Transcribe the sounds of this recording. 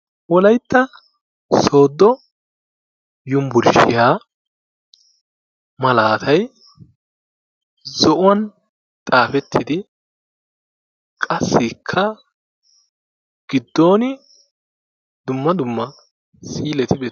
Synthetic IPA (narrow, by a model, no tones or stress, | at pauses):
wɔlɐjt̪ːɐ | so̞ːd̪ːɔ | jʊmbʊɾʃɪjaː | mɐlaːt̪ʰɐj | zɔʔʊwɐn | t̪ʼaːfɛt̪ʰːɪd̪ɪ | kʼɐsːɪkʰːɐ | ɡ̥ɪd̪ːo̞ːnɪ | d̪ʊmːɐd̪ʊmːɐ | siːlɛt̪ɪbeː